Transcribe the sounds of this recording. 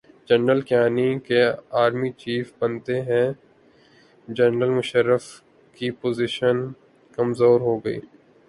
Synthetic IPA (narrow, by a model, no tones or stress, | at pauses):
d͡ʒɐnɾəlkjaːnikeaːɾmit͡ʃiːfbɐnt̪eɦɛ̃ | d͡ʒɐnɾəlmʊʃəɾːəf | kipoːzɪʃən | kɐmzoːɾɦoɡɐḭː